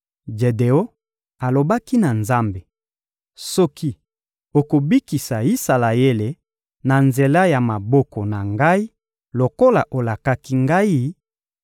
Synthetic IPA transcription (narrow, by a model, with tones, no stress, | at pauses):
d͡ʒe˨de˨o˦ | a˨lo˨ba˦ki˦na˨nza˦mbe˨ | sɔ˦ki˦ | o˨ko˨bi˦ki˨sa˨i˦sa˨la˨e˦le˨ | na˨nze˨la˦ja˨ma˨bɔ˦kɔ˨na˨ŋɡa˦i˦ | lo˨ko˦la˨ʔo˨la˨ka˦ki˦ŋɡa˦i˦